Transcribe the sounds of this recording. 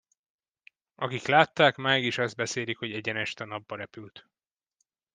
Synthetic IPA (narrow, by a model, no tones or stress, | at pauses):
ʔɒkiklaːt̪ːaːkmaːɡiʃɒzd̪̚bɛseːlikho̞ɟɛɟɛnɛʃt̪ɛnɒbːɒɾɛpylt̪